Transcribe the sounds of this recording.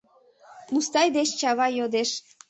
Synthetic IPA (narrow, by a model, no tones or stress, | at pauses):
must̪ɑjd̪et͡ɕt͡ɕɑβɑjod̪eʃ